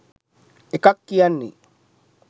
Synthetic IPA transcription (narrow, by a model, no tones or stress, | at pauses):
ekakːianːḭ